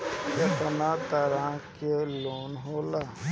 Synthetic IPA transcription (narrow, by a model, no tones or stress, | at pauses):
jɐt̪ənat̪aɾãkeloːnɦoːla